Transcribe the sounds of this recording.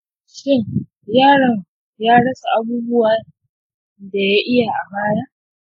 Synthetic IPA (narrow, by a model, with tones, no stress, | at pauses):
ʃɪ˦ŋ | jaː˦˨ɽɐ˨ŋ | jaː˦ɽɐ˦sa˨ʔa˦buː˦bʊ˦waː˨ | da˨ja˦ʔɪ˦ja˨ʔa˨baː˦jaː˦